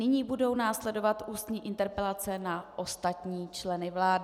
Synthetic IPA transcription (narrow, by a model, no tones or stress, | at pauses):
nɪɲiːbudo̞wnaːslɛdo̞vat̪ʔuːst̪ɲiːʔɪnt̪ɛɾpɛlat͡sɛnaʔost̪at̪ɲiːt͡ʃlɛnɪvlaːdɪ